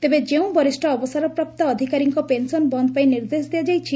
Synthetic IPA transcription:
t̪ebed͡ʒeũbɔɾisʈʰɔːbɔsaɾɔpɾɔp̚t̪ɔːd̪ʱikaɾiŋkɔpensɔnbɔnd̪ɔpaj̃niɾd̪esd̪ijad͡ʒajt͡ʃʰi

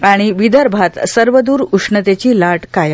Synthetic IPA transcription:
aɽ̃iʋid̪əɾbʱat̪səɾʋəd̪uːɾuʂɳət̪et͡ɕiːlaʈkaj

